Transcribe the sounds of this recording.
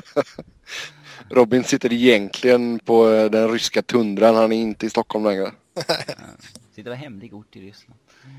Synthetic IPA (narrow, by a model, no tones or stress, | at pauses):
ɾɔbɪnsɪt̪ːəɾɪjɛnk̪ʰlɪɡənpʰɔd̪ɛnɾʏskat̪ʰɵnd̪ɾanhanæɾɪnt̪əɪst̪ɔkʰːɔlmlɛŋɾə | sɪt̪ːəɾɛɦɛmlɪɡʊʈːɪɾʏsna